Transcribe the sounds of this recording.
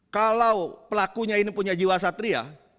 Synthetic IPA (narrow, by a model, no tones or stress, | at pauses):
kalawpəlakuɲainipuɲad͡ʒiwasat̪ɾia̰